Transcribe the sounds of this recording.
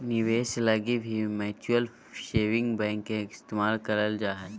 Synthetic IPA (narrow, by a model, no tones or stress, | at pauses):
niʋeːselɐɡibʱimɛːt͡ʃuəl | ʃeːʋɪ̃ŋɡbɛ̃ːŋkːeɪst̪eːmaːlkɐɾəld͡ʒaːɦə